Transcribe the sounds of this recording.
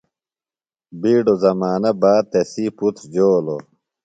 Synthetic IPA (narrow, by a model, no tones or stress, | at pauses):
biːɖozɐmaːnɐbaːt̪esiːput̪ʰd͡ʑoːlo̰